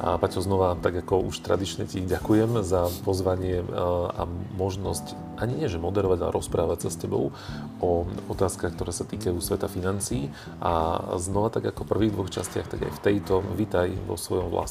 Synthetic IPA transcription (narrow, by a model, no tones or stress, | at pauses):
pacɦɔznɔʋat̪aɡakɔuʃt̪ɾa̰d̪it͡ʃɲɛciɟakujɛmzapɔzʋaɲɪɛa̰mɔʒnɔsc | ʔaɲiɲɪɛʒɛmɔd̪ɛɾɔʋaɟalɛ̰ɾʔɔspɾaːʋacsascɛbɔ̰ʊ | ɔɔt̪aːskaxkt̪ɔɾɛːsat̪iːkajusʋɛt̪afinant͡siː | ʔa̰znɔʋat̪aɡakɔpr̩ʋiːɣd̪ʋɔxt͡ʃa̰scɪa̰xt̪aɡa̰jft̪ɛjt̪ɔʋit̪ajʋɔ̰sʋɔjɔmʋla̰s